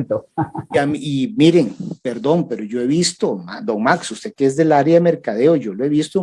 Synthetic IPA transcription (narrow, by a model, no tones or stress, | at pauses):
t̪oamimiɾeŋpe̞ɾd̪o̞ŋpe̞ɾoʝo̞e̞βist̪oma̰d̪o̞ŋmaksusekeezd̪e̞laɾjame̞ɾkaðe̞oʝo̞loe̞βist̪o